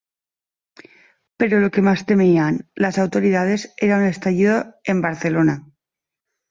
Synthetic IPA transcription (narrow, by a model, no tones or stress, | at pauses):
pe̞ɾolo̞ke̞mast̪e̞mianlasawt̪o̞ɾiðað̞e̞seɾaune̞st̪aʝiðoe̞mbaɾθe̞lona